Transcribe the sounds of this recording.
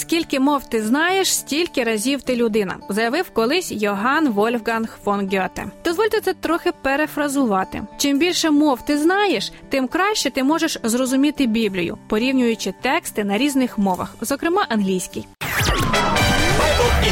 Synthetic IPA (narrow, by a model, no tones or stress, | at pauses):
skʲilʲkɪmɔwt̪ɪznɑjeʃsʲtʲilʲkɪɾɐzʲiwt̪ɪlʲʊd̪ɪnɐ̰zɐjɐʋɪwkɔlˠɪsʲjɔɦɑnʋɔlʲwɡɐnxfɔnɡʲɔt̪ɛ̰d̪ɔzʋɔlʲt̪ɛt̪sɛt̪ɾɔxɪpeɾefɾɐzʊʋɑt̪ɪ̰t͡ʃɪmbʲilʲʃɛmɔwt̪ɪznɑjeʃt̪ɪmkɾɑʃt͡ʃɛt̪ɪmɔʒeʃzɾɔzʊmʲit̪ɪbʲiblʲijʊ̰pɔɾʲiwnʲʊjʊt͡ʃɪt̪ɛkst̪ɪnɐɾʲiznɪxmɔʋɐ̰xzɔkɾɪmɑʔɐnɦlʲijsʲkɪj